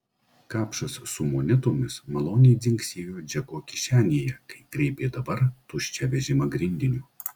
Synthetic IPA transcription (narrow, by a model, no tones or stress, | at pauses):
kɑːpʃɐssʊmoːnʲɪt̪oːmʲɪsmɐlˠoːnʲɛjd̪zʲɪŋksʲeːjoːd͡ʒʲɛkoːkʲɪʃʲæːnʲeːjɛkɐɪɡɾʲeːpʲeːd̪ɐbɐɾt̪ʊʃʲt͡ʃʲɛʋʲɛʒʲɪmɐɡɾʲɪnʲd̪ʲɪnʲuː